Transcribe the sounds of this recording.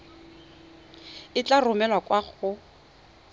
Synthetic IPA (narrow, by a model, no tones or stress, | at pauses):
ɪt͡ɬarʊmɛlwakwaχʊ